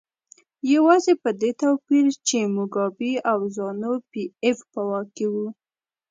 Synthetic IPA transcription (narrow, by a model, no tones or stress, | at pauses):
jawɑzepəd̪et̪awpiɾt͡ʃemʊɡɑbiawzɑnopiefpəwɑkewu